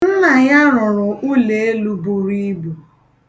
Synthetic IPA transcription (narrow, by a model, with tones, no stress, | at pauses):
n̩˦na˨ja˦ɾʊ̃˨ɾʊ̃˨u˦le˨e˦lu˦bu˦ɾi˦bu˨